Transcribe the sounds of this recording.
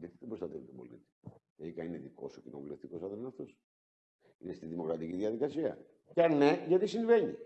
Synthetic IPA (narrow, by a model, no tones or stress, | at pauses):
ʝɐt̪it̪ebɾost̪ɐt̪evit̪obo̞̰lḭt̪i̥ | eikɐineðiko̞̰socinovule̞ft̪iko̞sɐðonnɐft̪os | inest̪iðimo̞kɾɐt̪iciðiɐðikɐsiɐ̰ | cɐne̞ʝɐt̪isiɱve̞ɲi